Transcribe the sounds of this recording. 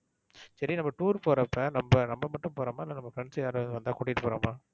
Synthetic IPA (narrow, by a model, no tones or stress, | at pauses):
sɐɾinɐmːɐʈuːɾpoːɾɐpːɐnɐmbɐnɐmbɐmɐʈːɯ̃mpoːɾɐːmaːɪlːɐnɐmːbːɐfɾɛɳsɐjaːɾɯʋɐnd̪ɯʋɐnd̪ãːkʊɽɪkɪʈːɯpoːɾɐːmaː